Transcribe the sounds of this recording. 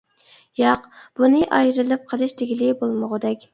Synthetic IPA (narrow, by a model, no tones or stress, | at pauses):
jɑqb̥unɨʔɑjɾɨlˠɨp̚qʰəlˠɨʃd̪eɡʲilɪbolˠməʁəd̪ɛkʲ